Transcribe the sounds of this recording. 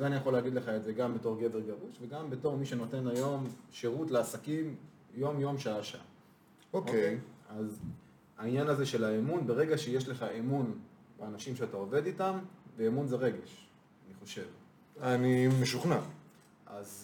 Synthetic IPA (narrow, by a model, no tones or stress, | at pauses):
azeanijaχo̞leːɡid̪le̞χaetze̞ɡambe̞to̞ʁɡe̞ve̞ʁɡaʁuʃve̞ɡambe̞to̞ʁmiʃe̞no̞te̞najo̞mʃe̞ʁutleasakim | jo̞mjo̞mʃaaʃaa̰ | okʔkkejaz | ainjanaze̞ʃe̞laemunbe̞ʁe̞ɡaʃejeʃleχaʔemunbeanaʃimʃeatao̞ve̞d̪itamveːmunze̞ʁe̞ɡe̞ʃ | aniχo̞ʃe̞v | animeʃuχna | ʔaz